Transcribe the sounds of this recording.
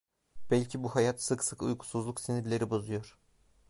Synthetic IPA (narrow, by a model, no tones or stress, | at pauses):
b̥ælʲcʰibuhajat̪sɯksɯkṵjkʰu̥suzlˠuksiniɾlʲe̞ɾibozujo̞ɾ̥